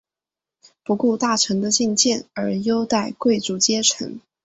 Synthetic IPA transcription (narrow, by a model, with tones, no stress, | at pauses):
pu˧˥ku˥˧t̪a˥˩ʈ͡ʂʰɤ˧˥ŋd̪ə˧t͡ɕi˥˧ŋt͡ɕjɛ˥˩nə˞˧˥jo˥ʊt̪a˥˧ɪkwe˥˩ɪʈ͡ʂu˧˥t͡ɕjɛ˥ʈ͡ʂʰə̰˧˥ŋ